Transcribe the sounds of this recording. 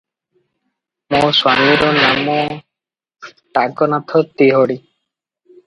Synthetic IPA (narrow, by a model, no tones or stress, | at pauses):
moswamiɾɔnamɔ | ʈaɡɔnat̪ʰɔt̪eɦɔɽi